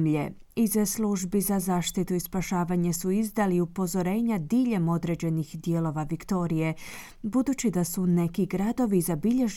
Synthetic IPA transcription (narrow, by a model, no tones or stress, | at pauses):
mʎe | izesluʒbizazaːʃt̪it̪uispaʃaːʋaɲe̞suizd̪aliupo̞zo̞ɾe̞ːɲad̪iːʎe̞mo̞d̪ɾe̞d͡ʑe̞nixd̪jelo̞ʋaʋikt̪o̞ɾije̞ | bud̪uːt͡ɕid̪asune̞kiɡɾad̪o̞ʋizabiʎe̞ʒ